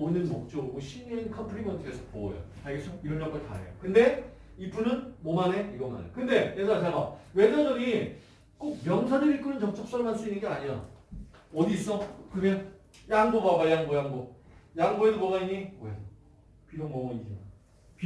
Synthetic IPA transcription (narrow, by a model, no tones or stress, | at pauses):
onɯnmok̚t͡ɕ͈oɡɯɡoɕʰiɲʌinkʰʌmpʰɯɾimʌntʰɯesʰʌ̥po̰jo̰aɡesʰʌiɾʌnd͡ʑʌŋɡɯɭta̰ɾḛjo̰kɯnde̞ | ipunɯnmomane̞iɡʌma̰nḛkɯnde̞jesʰat͡ɕaɡawed͡ʑʰʌdʌni | k͈ok̚mjʌŋsʰanɯɾik͈ɯnɯnt͡ɕʌk̚t͡ɕ͈ʌk̚s͈ʌɾɯɭmans͈uinːɯnɡeaɲia | ʌdiːs͈ʌkɯmjʌn | jaŋbobabajaŋbojaŋbojaŋboedobomaiɲioe | piɾoŋmomoɲid͡ʑima | p